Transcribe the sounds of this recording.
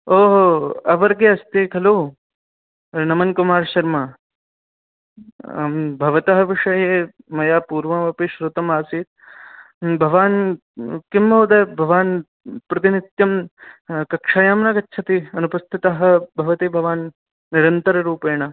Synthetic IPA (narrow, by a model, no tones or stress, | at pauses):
oːɦɐʋɐɾɡeɐst̪eːkʰɐloː | nɐmɐnkumaːɾʃɐɾmɐ | bʱɐʋɐt̪ɐɦɐ̆ʋiʂɐjeː | mɐjaːpuːɾʋɐmɐpiʃɾut̪ɐmaːsiːt̪̚ | bʱɐʋaːn | kimːoːd̪ɐjbʱɐʋaːn | pɾɐt̪init̪jɐm | kɐkʂaːjaːmnɐkɐtːʃʰɐt̪iɐnupɐst̪ʰit̪ɐɦɐ̆bʱɐʋɐt̪ibʱɐʋaːnː | iɾɐnt̪ɐɾɐɾuːpeːɳɐ